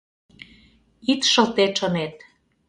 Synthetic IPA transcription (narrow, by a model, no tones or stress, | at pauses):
it̪ʃə̆lt̪et̪ʃənet̪̚